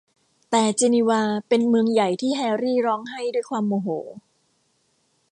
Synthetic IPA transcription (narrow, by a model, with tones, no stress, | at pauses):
t̪ɛː˨˩t͡ɕe˧ni˧waː˧pe˧nmɯ˧əŋja˨˩jt̪ʰiː˥˩ɦɛː˧ɾiː˥˩ɾɔː˦˥ŋɦa˥˩jdu˥˩əjkʰwaː˧mːoː˨˩ɦoː˩˦